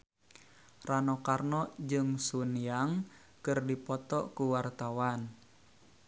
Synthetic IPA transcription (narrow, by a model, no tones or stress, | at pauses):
ranɔkarnɔd͡ʒɨŋsunjaŋ | kɨrdipɔt̪ɔkuwart̪awan